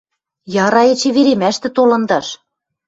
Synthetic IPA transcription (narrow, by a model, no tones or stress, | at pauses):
jɑɾɑĕt͡ɕĕβeɾemæʃt̪ɘ̆t̪olɤ̆nd̪ɑʃ